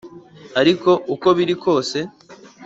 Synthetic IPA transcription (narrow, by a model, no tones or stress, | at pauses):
aɾiko̞uko̞βiɾikʰo̞ːse̞